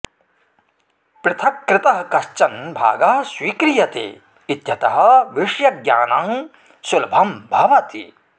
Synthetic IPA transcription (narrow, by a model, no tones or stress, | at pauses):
pɾɪt̪ʰɐkːɾɪt̪ɐɦɐkɐʃt͡ʃɐnbʱa̰ːɡɐɦɐswiːkɾijɐt̪ḛː | t̪jɐt̪ɐɦɐ̆ʋiʂjɐɡjaːnaŋ | sulbʱɐmbʱɐʋɐt̪ḭ